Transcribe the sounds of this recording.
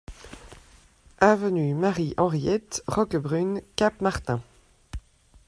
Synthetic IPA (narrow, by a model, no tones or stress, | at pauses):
avənymaʁiʔɑ̃ʁjɛt̪ʁɔkbʁynkapmaʁt̪ɛ̃